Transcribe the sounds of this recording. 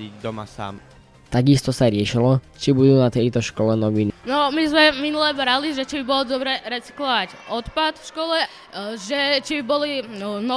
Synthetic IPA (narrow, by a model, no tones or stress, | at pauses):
id̪ɔmasa̰ːm | t̪aɡist̪ɔsaɾɪɛʃilɔ | t͡ʃibud̪uːnat̪ɛjt̪ɔʃkɔlɛnɔʋininɔmizmɛminulɛbɾaliʒɛt͡ʃibibɔld̪ɔbɾɛɾɛt͡si̥klɔʋacɔt̪pat̪fʃkɔlɛ | ʒɛt͡ʃibibɔlinɔ